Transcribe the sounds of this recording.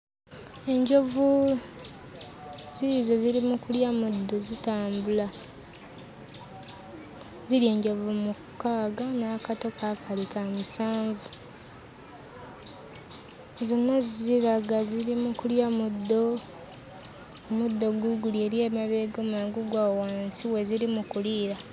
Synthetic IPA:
e̞ɲɟo̞vu | z̥iɾizo̞ziɾimukuljamud̪ːozitaːmbula | ziɾje̞ːɲɟo̞vumukːaːɡanaːkato̞kʰakʰalikamisaːɱvu | zonːazziβaɡaziɾimukuljamudːo | omud̪ːo̞ɡuɡulie̞ːɾje̞ːmaβe̞ːɡomaːŋɡuɡwawaːnsiwe̞ziɾimukuliːɾa

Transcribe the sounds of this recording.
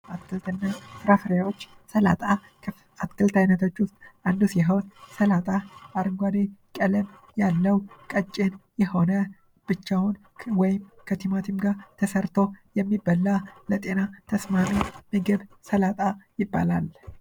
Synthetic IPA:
aɨlt̪ɨnːasɾafɾjawot͡ʃː | səla̰t̪ʼa | at̪kɨlt̪ʰajnət̪ʰo̞t͡ʃːwʊst̪ʼʔand̪usjɛɦəwt̪səlat̪ʼaaɾɨŋɡʷad̪ekʼələm | jalːəwkʼət͡ʃʼːenjɛho̞nə | b̥ɨt͡ʃːawʊn | wɔjɪmkʰət̪ʰimat̪ʰɨmɡaɾt̪ʰəsəɾt̪ʰo̞jɛmːibːəlːalət̪ʼe̞nat̪ʰəsmamiməɡəβsəlat̪ʼajɪbːa̰la̰l

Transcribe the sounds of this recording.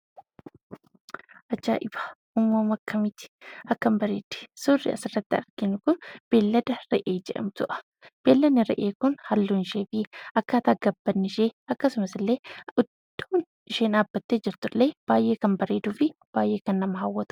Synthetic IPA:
ʔɐt͡ʃːa̰ːʔɪbaːʔʊmːoːmɐkʰːɐmɪt̪ɪ̥ɐkːɐmbɐɾeːd̪̥ɛ̥sʊrːɪ̰ɐ̰sɪrːɐt̪ːɪɐ̰ɾɡɪnʊkʊnb̥e̞ːlːɐd̪ɐɾɛʔe̞ːd͡ʒɛᶑɐ̰mt̪ʊʔɐ̥ | b̥e̞ːlːɐnːɪɾɛ̰ʔeːkʊnhɐlːunɪʃeːfɪʔɐkːaːt̪aːɡɐbːɐnːɪʃeːɐkːɐsʊmɐsɪlːe̞ːʊd̪ːoːn | ɪʃeːnaːbːɐt̪ːeːd͡ʒɪɾt̪ʊlːeːb̥aːjʔe̞ːkɐmbɐɾe̞ːd̪uːfɪb̥aːjʔe̞ːkɐnːɐmɐɦɐwːɐt̪ʊ̥

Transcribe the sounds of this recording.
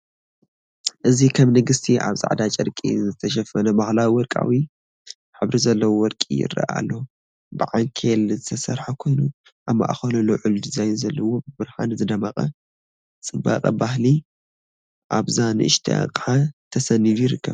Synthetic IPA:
ʔɨzikʰɐmnɨɡɨst̪ʰiʔa̰βzʼa̰ʕd̪at͡ʃʼɨɾkʼḭzɨt̪ʰɐʃɐfɐnɐbahlawiwɔlkʼa̰wi | ħɨβɾizɐlːɐwowɔlkʼḭjɪ̰ɾɐ̰ʔa̰lːo | bɨʕaŋkʰelzɨt̪ʰɐsɐɾħakʰo̞jnu | ʔaβma̰ʔxɐlɐloʕʊlud̪ɨzajzɐlːɐwobɨbɨɾha̰nɨzɨd̪ɐmaqʼɐ̰ | t͡sʼɨbːa̰qʼɐ̰bahli | ʔaβzanɨʔɨ̰ʃt̪ʰa̰qʼʕat̪ʰɐsɐnːid̪ujiɾɨkːɐβ

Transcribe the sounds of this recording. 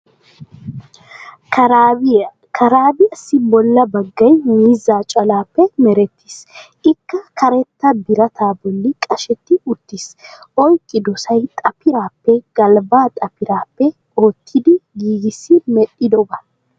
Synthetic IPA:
kʰɐɾaːbɪɐsːɪbɔlːɐbɐɡːɐjmiːzːaːt͡ʃʼɐlaːpːɛmɛɾɛt̪ːi̥s | ɪkːɐkʰɐɾɛt̪ːɐbɪɾɐt̪ʰaːbɔlːɪkʼɐʃɛt̪ːɪʊt̪ːisɔjkʼːɪd̪ɔsɐjt̪ʼɐpɪɾaːpːɛɡ̥ɐlbaːt̪ʼɐpɪɾaːpːɛ | oːt̪ʰːɪd̪ɪɡiːɡɪsːɪmɛɗːɪd̪ɔbɐ

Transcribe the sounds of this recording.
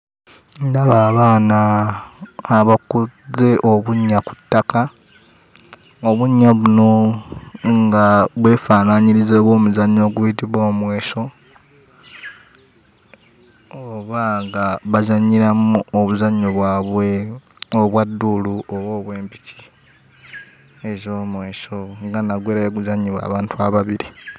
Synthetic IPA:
ndaβaːβaːnaː | βakuze̞ʔo̞βuɲːaku̥tːaka | oβuɲːaβuno̞ | ŋɡaβwe̞ːfaːnaɲiɾizeβo̞ːmuzaɲːo̞ːɡujitiβo̞ːmwe̞ːso̞ | oβaŋɡaβazaɲiɾamuoβuzaɲoβwaːβwe | oβwadːuluoβo̞ːβwe̞ːmpici̥ | ezoːmwe̞ːʃo̞ŋɡanaɡweːɾajeɡuzaɲiβwa̰ːβaːntʰuaβaβiɾi

